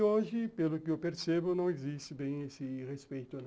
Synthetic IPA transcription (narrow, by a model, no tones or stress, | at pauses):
oʒɪpelʊkɪewpeɾsebʊnɐ̃w̃ezist͡ʃɪbẽj̃esɪʁespejt̪ʊnɐ̃